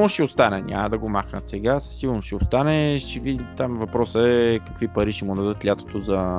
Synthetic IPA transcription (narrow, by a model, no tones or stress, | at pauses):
noʃɛost̪anɛnʲʔa̰mɐd̪ɐɡomaxnət̪sɛɡassilˠnoʃɛost̪anɛʃɛvid̪it̪amvɐpɾɔsəɛkɐkvipɐɾiʃɛmud̪ɐd̪ɤt̪lʲat̪o̥t̪ozɐ